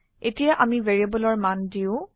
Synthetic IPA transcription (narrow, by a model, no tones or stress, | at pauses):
etijaʔamiveɹiabɔlɔɹmandiʊ̃